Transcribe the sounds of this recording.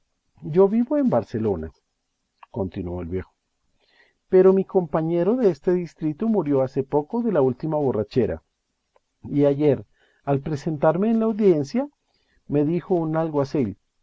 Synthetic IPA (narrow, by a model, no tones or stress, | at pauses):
ɟ͡ʝo̞βiβo̞embaɾse̞lo̞na̰ | ko̞nt̪inuo̞elβje̞xo | pe̞ɾo̞miko̞mpaɲe̞ɾo̞ðe̞est̪e̞ðist̪ɾit̪omuɾjo̞ase̞po̞ko̞ðe̞lault̪imaβo̞rat͡ʃe̞ɾa̰ | iaʝeɾ | alpɾe̞se̞nt̪aɾme̞ːnlaːwðje̞nsja | me̞ðixo̞unalɣwasel